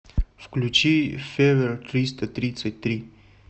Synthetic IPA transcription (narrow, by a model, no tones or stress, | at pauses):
fklʲut͡ɕifʲevʲɛrt̪ɾʲist̪ɐt̪ɾʲit̪sət̚ʲt̪ɾʲi